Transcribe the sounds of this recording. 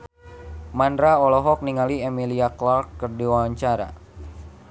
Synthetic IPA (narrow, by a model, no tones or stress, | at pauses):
manɾaɔlɔɦɔk̚niŋaliemiliaklarkːərdiwawaɲt͡ʃaɾa̰